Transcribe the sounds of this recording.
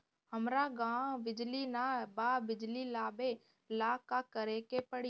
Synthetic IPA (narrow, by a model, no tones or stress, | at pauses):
həmɾaːɡãːʋɪd͡ʒliːnaːbaːbɪd͡ʒliːlaːɓeː | laːkaːkəɾeːkeːpəɽ